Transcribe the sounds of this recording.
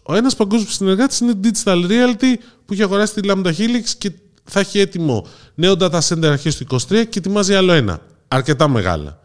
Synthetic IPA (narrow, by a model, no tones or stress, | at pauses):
o̞e̞nɐspɐŋɡo̞zmsine̞ɾɣɐt̪i̥sinet̪id̪ist̪ɐlɾiɐlt̪i | puiçeɐɣo̞ɾɐsi̥t̪ilɐmd̪ɐçiliksce | θeçie̞t̪imo̞ | ne̞o̞nd̪ɐt̪ɐse̞nd̪eɾɐɾçist̪uiko̞st̪ɾiɐcet̪imɐziɐlo̞e̞nɐ̰ | ɐɾce̞t̪ɐme̞̰ɣɐ̰lɐ̰